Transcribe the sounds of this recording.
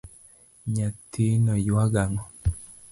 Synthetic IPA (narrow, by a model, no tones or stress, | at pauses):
ɲat̪inɔjwaɡaŋɔ